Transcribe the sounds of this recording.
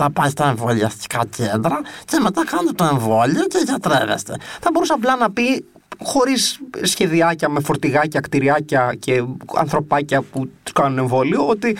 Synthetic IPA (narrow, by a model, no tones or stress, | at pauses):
tɐpɐjst̪ɐeɱvo̞liɐst̪i̥kɐcʰend̪ɾɐceme̞t̪ɐkɐnet̪et̪oe̞ɱvo̞lio̞ceʝɐt̪ɾe̞̰vḛst̪e̞̰θɐbo̞ɾusɐːp̬lɐnɐpi | xo̞ɾisːçe̞ðiɐcɐme̞fo̞ɾt̪iɣɐcɐkt̪iɾiɐcɐcʰe̞ɐ̰nθɾo̞pɐcɐputt̪u̥skɐnune̞ɱvo̞lioot̪i